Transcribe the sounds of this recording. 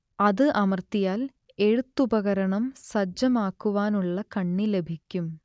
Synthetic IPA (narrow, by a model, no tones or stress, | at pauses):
ɐðɨʔɐmɐrt̪ːijaːl | e̞ɻut̪ːubɐɣɐɾɐɳɐmsɐd͡ʑːɐmaːkːuʋaːnuɭːɐkɐɳːile̞bʱikʲːum